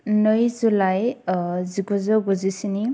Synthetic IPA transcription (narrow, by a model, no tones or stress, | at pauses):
nɯjzulajziɡɔzɔɡɔzisini